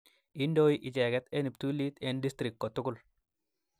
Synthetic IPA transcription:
i˦ndo˦iʔɪ˨t͡ʃɛ˨ɡɛ˦t̪ɛ˦ni˨p̚t̪u˦li˦t̪ɛ˦ndi˦st̪ɾɪ˨kːkɔ˨t̪ʊ˦kʊ˦l

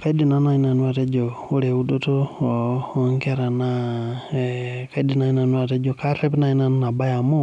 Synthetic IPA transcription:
ka˦i˦di˨na˦na˨ɲi˦na˨nwa˨ɾe˦d͡ʒo˨o˦ɾe˨u˦do˦to˦˨ | ɔ˦ŋke˦ɾa˨na˦ | ka˦i˦di˨na˨ɲi˦na˨nwa˨ɾe˦d͡ʒo˨ka˦ɾe˦pna˨i˦na˦n˦na˨ba˦ja˨mo˦

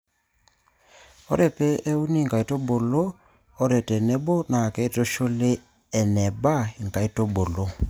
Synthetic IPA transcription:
ɔ˦ɾɛ˨pɛ˦e˦u˦ni˦˨ŋka˨i˨˦to˦bo˨loː˦ | ɾɛ˨tɛ˨nɛ˦bɔ˦na˨kɛ˦i˦to˦ʃo˦le˦ | ɛ˨nɛ˨ba˦˨i˨ŋka˨i˦to˦bo˨lo˦

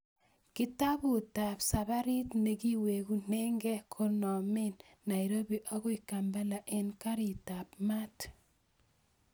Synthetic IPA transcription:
ki˦ta˦bu˨ta˨psa˨βa˦ɾi˦tneki˦we˨ku˦ne˦ŋɡɛ˦kʰo˦nɔ˨me˦nː | a˨jɾo˦bi˨ʔa˦ɣu˦ikamba˦la˨ʔe˦nka˦ɾi˨ta˨pma˦t

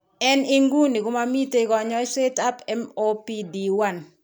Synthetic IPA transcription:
ɛ˦ni˦ŋɡu˦ni˨ko˦ma˦mi˦te˦kɔ˨ɲɔ˦se˦ta˦pɛ˦mo˦pi˦di˨wa˦˨n

